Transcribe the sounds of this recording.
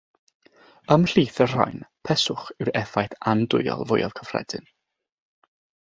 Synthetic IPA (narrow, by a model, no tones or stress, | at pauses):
əmɬiːθər̥a̰jnpʰɛsʊχɪwɾɛfajθandʊɨɔ̰lˠvʊjɔvkʰəfr̥ɛ̰d̥ɨn